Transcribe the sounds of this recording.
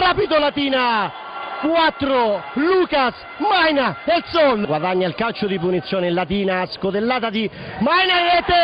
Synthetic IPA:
ɾapit̪olat̪iːna | kwat̪ːɾoluːkas | majnaelsɔlɡwad̪aɲːailkalt͡ʃʊd̪ipunit̪sːjoːnelat̪iːnaskot̪elːaːt̪ad̪i | majnaɛt̪ːe

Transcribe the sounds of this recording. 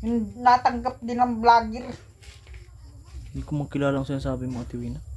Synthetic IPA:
nnat̪aŋɡəp̚dinamblaɡɪr | dikomakilalaŋsajaŋsaabimaat̪iwina

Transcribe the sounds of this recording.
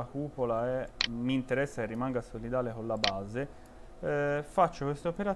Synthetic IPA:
akuːpolaɛmːiːnt̪eɾɛsːakerːimaŋɡasolid̪aːlekolːabaːze | fat͡ʃːokwest̪eopeɾa

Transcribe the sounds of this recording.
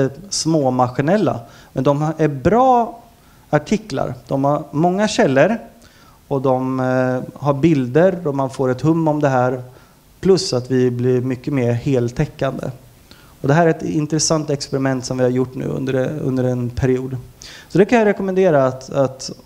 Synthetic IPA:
əsmoːmaɧɪnɛlːa̰mɛnd̪ɔmæɾbɾɑː | aʈʰɪkla̰ɾd̪̥ɔmhaɾmɔŋːaɕɛlːəɾ | ɔd̪ɔm | ɦaɾbɪld̪əɾɔmanfoːɾɛt̪hɵmːɔmd̪ɛɦæːɾ | pʰlɵsːat̪vɪblɪmʏkːəmeːɾheːlt̪ʰɛkːand̪ə̰ | ɔd̪ɛɦæːɾɛt̪ɪnt̪ɾɛsant̪ɛkspɛɾɪmɛnt̪sɔmvɪhaɾjʊʈːnʉ̟̰ːɵ̰nd̪əɾɵ̰nd̪əɾɛnpʰæɾɪuːd̪sɔd̪ɛkʰanjaɾɛkɔmɛnd̪eːɾaːt̪at̪

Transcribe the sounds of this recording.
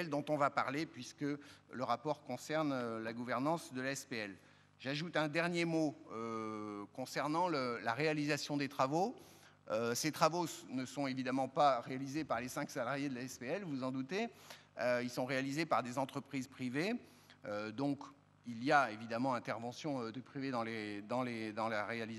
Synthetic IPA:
ɛld̪ɔ̃t̪ɔ̃vapa̰ʁlepɥiskələʁapɔʁkɔ̃sɛʁnølaɡuvɛʁnɑ̃sd̪əlaɛspeɛl | ʒaʒut̪ɛ̃d̪ɛʁnjemoøkɔ̃sɛʁnɑ̃ləla̰ʁealizasjɔ̃d̪et̪χavo | øset̪χavonəsɔ̃evid̪amɑ̃paʁealizepaʁlesɛ̃ksalaʁjed̪əlaɛspeɛlvuzɑ̃d̪ut̪eøilsɔ̃ʁealizepaʁd̪ezɑ̃t̪χəpχizpχive | ød̪ɔ̃k | iliaevid̪amɑ̃ɛ̃t̪ɛʁvɑ̃sjɔ̃ød̪əpχived̪ɑ̃led̪ɑ̃led̪ɑ̃laʁeali

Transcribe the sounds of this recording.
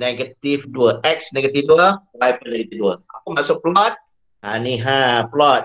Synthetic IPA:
nɛɡət̪ifduəʔɛk̚snɛɡət̪ifduəwajpənɛɡət̪ifduəapəmasʊk̚plɔt̚ | ãnĩɦãplɔt̚

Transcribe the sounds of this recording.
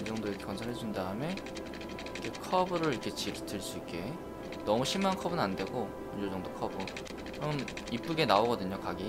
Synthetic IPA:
id͡ʑʌŋdoiɾʌkʰekʌnt͡ɕʰʌɾɦe̞d͡ʑundaɯme̞ | kʰekʰʌbɯɾɯɭiɾʌkʰe̞t͡ɕiɾɯtʰɯɭs͈uik͈e̞ | nʌmuɕʰimankʰʌbɯnande̞ɡo | mʌnd͡ʑuɭt͡ɕʌŋdokʰʌbɯ | t͡ɕom | ip͈uɡe̞naoɡʌdɯɲokaɡi

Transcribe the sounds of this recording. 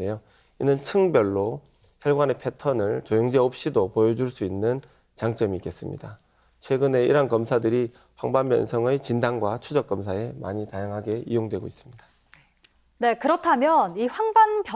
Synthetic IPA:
e̞jo | inɯnt͡ɕʰɯŋbjʌɭːo | çjʌɭɡwanepʰe̞tʰʌnɯɭt͡ɕojoŋd͡ʑeop̚ɕ͈idopojʌd͡ʑuɭs͈uinːɯn | t͡ɕaŋt͡ɕ͈ʌmiːk͈e̞s͈ɯmɲḭda | t͡ɕʰwe̞ɡɯne̞ḭɾankʌmsʰadɯɾi | ɸwaŋbanbjʌ̰nsʰʌŋɯjt͡ɕindaŋɡwat͡ɕʰud͡ʑʌk͈ʌmsʰae̞ma̰ɲitajaŋɦaɡe̞ijoŋdwe̞ɡo̰is͈ɯmɲidḁ | ne̞kɯɾʌtʰamjʌniɸwaŋbanpj

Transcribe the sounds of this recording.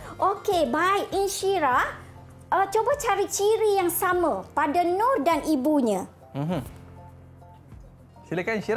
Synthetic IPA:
ʔokebajinʃiɾaʔ | ət͡ʃobat͡ʃaɾit͡ʃiɾijaŋsamə̃padanɔrdanibuɲə̃ | m̩ɦ̩ | silekainʃiɾ

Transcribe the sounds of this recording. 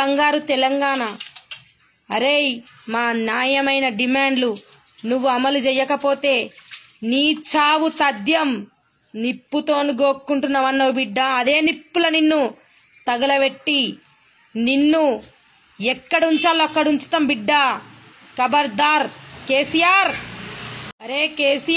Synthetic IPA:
ɐŋɡaːɾut̪ɛlɐŋɡaːnɐ | ɐɾejmaːnjaːjɐmɐjnɐɖimaːɳɖlu | nuʋːuɐmɐlud͡ʒɛjːɐkɐpo̞ːt̪e̞ː | niːt͡ʃaːʋut̪ɐd̪jɐm | nipːut̪oːnuɡoːkːuɳʈunːɐʋɐnːɐʋibiɖːɐɐd̪e̞ːnipːulɐninːu | t̪ɐɡɐlɐʋeʈːi | ninːu | ɛkːɐɽɐuɲt͡ʃaːlːoɐkːɐɽuɲt͡ʃu̥t̪ɐmbiɖːɐ | kɐbɐɾd̪aːɾke̞ːsijaːɾ | ɐɾeːkeːsi

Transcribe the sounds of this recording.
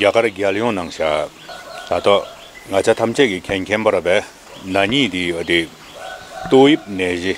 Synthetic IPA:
ɡakarɡaljɔŋnaŋɕaː | t̪at̪a | ŋat͡ɕʰat̪ʰamt͡ɕʰɛkikʰɛnkʰɛnpaɾapɛː | naɲiːt̪iat̪i | t̪ojip̚nɛːʑi

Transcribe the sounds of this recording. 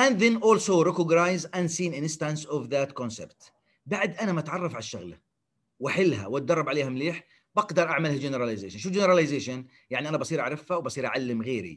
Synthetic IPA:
ʔanðɪnʔoːlsoːɾɪkʊɡnajzʔansiːnʔɪnst̪ansɔvðat̪kɔnsɛ̰bt̪ | baʕd̪ʔanamat̪ʕɑrˤːɑfʕalʃːa̰ɣl | waħɪlːɦa̰wat̪̚d̪ɑrˤːɑbʕaleːhamleːħ | bɑɡd̪ɑɾˤʔaʕmalhad͡ʒɪnɪɾˤalazḛːʃanʃud͡ʒɪnɾˤɑlajzeːʃan | jaʕniʔanabɑsˤiːɾʔaʕɾˤɪfhawbɑsˤiːɾʔa̰ʕalːɪmɣeːɾḭ

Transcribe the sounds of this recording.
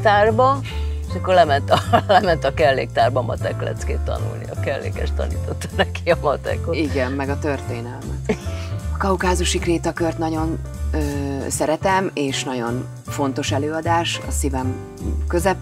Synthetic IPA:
t̪aːrbɒeʃɒkːo̞rlɛmɛnt̪ɒlɛmɛnt̪ɒkɛlːḛːk̚t̪aːrbɒmɒ̰t̪ɛklɛ̰t̪skḛːt̪ːɒ̰nṵlnḭɒ̰kɛlːḛːkɛʃt̪ɒ̰niːt̪o̞t̪ːɒ̥nɛkiɒmɒt̪ɛ̰koiɡɛmːɛɡɒt̪ørt̪eːnɛlmɛt̪ɒkɒukaːzuʃikreːt̪ɒkørt̪nɒɟo̞nøːsɛɾɛt̪ɛmeːʃnɒɟo̞n | fo̞n̪t̪o̞ʃɛløːɒd̪aːʃɒ̰sivɛm | køzɛp

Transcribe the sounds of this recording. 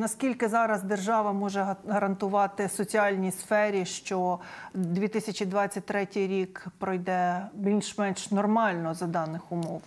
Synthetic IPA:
nɐskʲilʲkɪzɑɾɐzd̪erʒɑʋɐmɔʒɛɦɐɾɐnt̪ʊʋɑt̪ɪsɔt͡sʲiɑlʲnʲisfɛɾʲiʃt͡ʃɔd̪ʲʋʲit̪ɪsʲɐt͡ʃʲid̪ʋɑt͡st͡sʲːɐt̚ʲt̪ɾɛtʲɪjɾʲikpɾɔjd̪ɛbʲilʲʃmɛnʃnɔrmɑlʲnɔzɐd̪ɑnɪxʊmɔw

